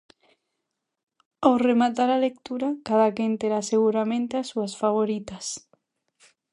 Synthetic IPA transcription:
awremat̪aɾalek̚t̪uɾakaðakent̪eɾaseɣ̞uɾamẽnt̪easuasfaβ̞oɾit̪as

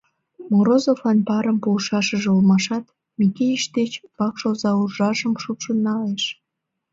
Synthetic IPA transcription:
moɾozofɑnpɑɾəmpuʃɑʃəʒeulmɑʃɑt̪ | mikejiʃd̪et͡ɕpɑkʃozɑurʒɑʒəmʃupʃonːɑleʃ

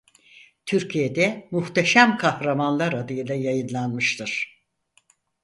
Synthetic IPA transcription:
t̪ʰyɾcʰijed̪ɛmuht̪ʰeʃæmkʰahɾamanlˠaɾad̪ɯjɯlˠajajɯnlˠanmɯʃt̪ʰɯɾ̥

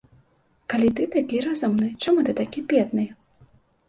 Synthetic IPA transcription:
kalʲit̪ɨt̪akʲiɾazumnɨt͡ʂamut̪ɨt̪akʲipʲɛt̪nɨj

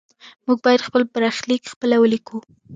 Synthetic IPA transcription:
muɡ̚bɑjad̪xpəlpəɾɑxlikxpəlawəliku

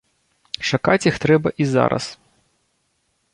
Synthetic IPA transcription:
ʂɐkɑtʲixt̪ɾɛbɐʔizɑ̰ɾɐ̰s

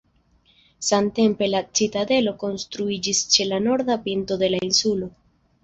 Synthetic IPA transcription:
samte̞mpe̞lat͡sitade̞lo̞ko̞nst̪ɾuid͡ʒist͡ʃe̞lano̞ɾd̪apinto̞d̪e̞lainsulo̞

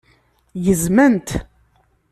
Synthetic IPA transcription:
jəzmænt̪

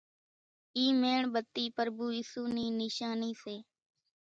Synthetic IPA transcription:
iːmeːɳbət̪ːiːpəɾbuːiːsuːniːnɪʃaːniːseː

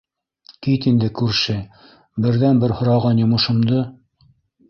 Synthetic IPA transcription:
kit̪ind̪ɘkʉɾʃɘ | bɘ̆ɾðænbɘɾhŏɾɑʁɑnjŏmɤ̆ʃɤ̆md̪ɤ

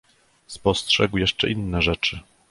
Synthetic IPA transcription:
spɔstʂɛɡwjɛʂt͡ʂɛ̰ʔinːɛʐɛt͡ʂɘ

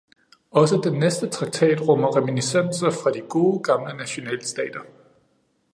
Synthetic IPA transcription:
ɒ̽səd̥enːesd̥ət͡sʰʁɑ̈ɡ̥̚t͡sʰɛ̰ːd̥ʁɔ̽m̰ɐʁɛminisen̰sɐfʁɑ̈d̥iɡ̥o̝ːɡ̥ɑ̈mlənæɕo̝nɛ̰ːlsd̥ɛ̰ːd̥ɐ

